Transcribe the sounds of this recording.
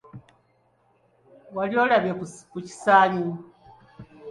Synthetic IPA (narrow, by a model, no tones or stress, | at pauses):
waliolaβjekuci̥saːɲu